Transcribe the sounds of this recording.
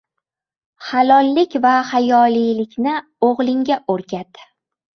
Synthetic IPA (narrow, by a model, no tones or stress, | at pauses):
halˠɒlˠːɪkʲvahajɒlijlɪkʲnɪ | oʁlˠɪŋɡʲaʔoɾɡʲʰat̪